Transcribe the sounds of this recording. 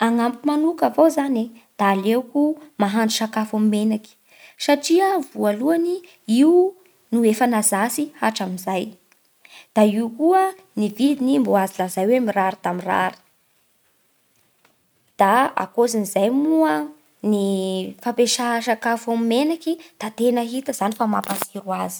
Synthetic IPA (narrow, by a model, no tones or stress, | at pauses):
aŋampumanukavozaned̪̥aːlekumaɦaɳɖ͡ʐuʃakafamimenaki̥ | saʈ͡ʂiəvualuani | iu | nuefanazasihaʈ͡ʂamizaj | d̪̥aiukuə | nivid̪inimboazilazajwemiraɾit̪amira̰ɾi̥ | d̪̥aa̰kozinizajmuə | nifapeʃaʃakafamimenakid̪̥at̪enəɦit̪əz̥anifamapasiɾuazi̥